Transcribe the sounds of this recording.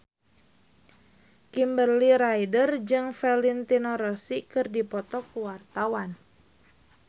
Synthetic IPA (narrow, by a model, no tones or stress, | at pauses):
kimbərliɾaidərd͡ʒɨŋfɛlint̪inɔɾɔsikɨrdipɔt̪ɔkuwart̪awan